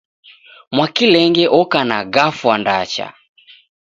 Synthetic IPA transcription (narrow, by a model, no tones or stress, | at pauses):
mwakilɛŋɡɛʔɔkanaɡafwandat͡ʃa̰